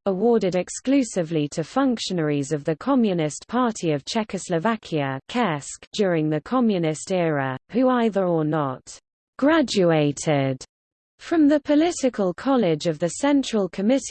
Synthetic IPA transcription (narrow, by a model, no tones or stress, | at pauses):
əwɔːɾɪɾɛksklʉˑsɪvlitʰəfʌ̃ŋkʃənəɹizəvðəkʰɒmjɨnɪspʰɑˑtʰiəv̥t͡ʃʰɛkəsləvakʰiəkʰɛsk̚d̥jɔːɹɪ̃ŋðəkʰɒmjɨnɪstɛːɹəhʉaɪðəɹənət | ɡ̥ɹad͡ʒʉeɪtʰɪd̥ | fɹə̃mðəpʰəlɪtɪkʰəlˠkʰɒlɪd͡ʒəvðəsɛ̃nt͡ʃɹ̥əlˠkʰəmɪt